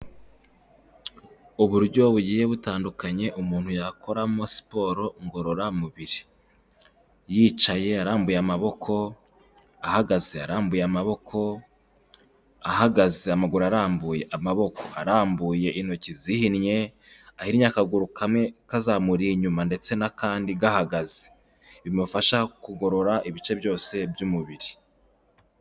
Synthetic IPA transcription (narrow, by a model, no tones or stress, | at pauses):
uβuɾɟo̞βuɟiːje̞βutaːndukaɲe̞ʔumuːn̥hujakʰo̞ɾamosi̥po̞ɾo̞ŋɡo̞ɾo̞ɾamuβiɾi̥ | jiːt͡ʃaje̞aɾaːmbujeamaβo̞kʰo̞ | ahaɡazeaɾaːmbujeamaβo̞kʰo̞ | ahaɡazeamaɡuɾaɾaːmbuːje̞ʔamaβo̞ko̞aɾaːmbuːje̞ʔino̞cizihinɲe̞ | ahiɾiɲakaɡuɾukamŋe̞kazaːmuɾiɲumande̞t͡se̞nakaːndiɡahaɡazi̥ | βimufaʃakuɡo̞ɾo̞ɾaʔiβit͡ʃe̞bjo̞ːse̞bjumuβiɾi